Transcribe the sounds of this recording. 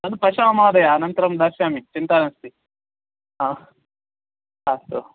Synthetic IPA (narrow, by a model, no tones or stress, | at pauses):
nɐd̪upɐʃaɐmaːd̪ɐjaɐnɐnt̪ɐɾɐmd̪ɐɾʃaːmit͡ʃint̪aːnɐst̪i | aː | ast̪o